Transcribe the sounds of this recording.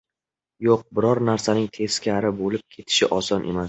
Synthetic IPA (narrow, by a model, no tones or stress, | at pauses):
joq̚bɪɾɒɾnaɾsanɪŋt̪ʰe̞skʲʰaɾɪbolɪp̚kʲʰe̞t̪ʰɪ̥ʃɪʔɒsɒnʔe̞̰mas